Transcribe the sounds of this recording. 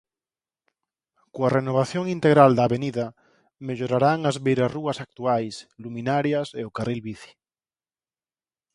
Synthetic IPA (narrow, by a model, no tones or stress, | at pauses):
koarenoβ̞aθjoŋint̪eɣɾald̪aːβeniða | meʎoɾaɾaŋazβejɾaruasak̚t̪uajslumĩnaɾjaseokarilβiθi̥